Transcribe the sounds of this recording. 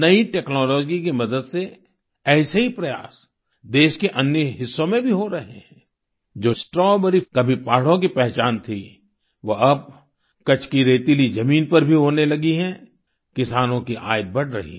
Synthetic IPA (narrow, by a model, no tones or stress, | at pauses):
nɐiʈeːknɔːlɔːd͡ʒik̬imɐd̪əd̪se | ɛːseɦipɾɐja̰ːs | d̪eːʃkeʔɐnjəɦɪsːõmẽbʱiɦoɾɐɦeɦɛ̃ː | d͡ʒoːsʈɾɔːbɐɾikɐbʱipaːɽ̤õkipɛɦt͡ʃaːnt̪ʰi | ʋoɐb̚ | kɐt͡ʃʰkiɾeːt̪ilizɐmiːnpɐɾbʱiɦoːnelɐɡiɦɛ̃ | kɪsaːnõkiʔa̰ːɪt̪̚bɐɽ̤ɾɐ̰ɦḭ